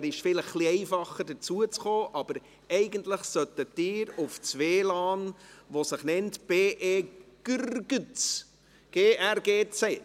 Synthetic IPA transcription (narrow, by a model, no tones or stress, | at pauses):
ɾɪʃfɪləχːliɛɪfɑχədəɾt͡suət͡sχoːʔɑb̥əɾ | ɛɪɡəntləχsœt̪ətɪːɾʊft͡sʋeːlɑːnʋosəχnɛntb̥eːʔeːɡ̥ʏrɡət͡s | ɡ̥eːʔærɡeːt͡sɛ